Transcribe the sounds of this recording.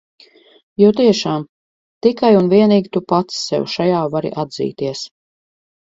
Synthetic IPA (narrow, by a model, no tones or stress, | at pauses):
juwt̪iɛʃaːm | t̪ikajunviɛniːɡʲit̪upat̪sːɛ̰wʃajaːvaɾḭʔad̪zḭːt̪iɛs